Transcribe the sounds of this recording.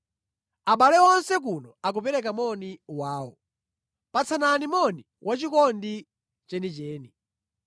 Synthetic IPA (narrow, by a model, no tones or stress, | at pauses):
aɓalɛɔnsɛk̬unɔak̬upɛɾɛk̬amɔniwaːwɔ | pat͡sʰananimɔni | wʔat͡ʃikɔndi | t͡ʃɛnit͡ʃɛːni